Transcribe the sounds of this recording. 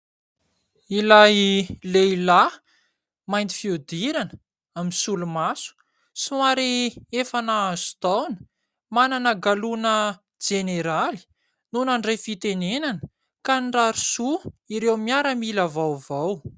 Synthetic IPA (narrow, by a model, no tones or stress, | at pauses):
ilajleila | majnt̪i̥fiud̪iɾanə | aminsulumasu̥ | suaɾiefanaazut̪awnə̥ | mananəɡalunə | d͡ʒeneɾali̥ | nunaɳɖ͡ʐajfit̪enenanə | kanɖ͡ʐaɾusuiɾewmiaɾəmilavawvaw